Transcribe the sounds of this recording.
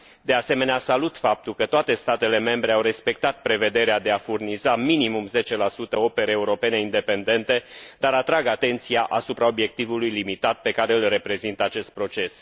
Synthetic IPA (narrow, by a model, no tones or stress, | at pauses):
d̪e̞ase̞me̞neasalut̪fap̚t̪ulkət̪oat̪e̞st̪at̪e̞le̞me̞mbɾe̞awre̞spe̞k̚t̪at̪̚pɾe̞ve̞d̪e̞ɾead̪e̞afurnizaminimumze̞t͡ʃe̞lasut̪əo̞pe̞ɾeːuɾo̞pe̞ne̞ind̪e̞pe̞nd̪e̞nt̪e̞d̪aɾat̪ɾaɡat̪e̞nt̪sijaʔasupɾao̞bje̞k̚t̪ivulujlimit̪at̪̚pe̞kaɾe̞ɨlre̞pɾe̞zint̪əat͡ʃe̞st̪̚pɾo̞t͡ʃe̞s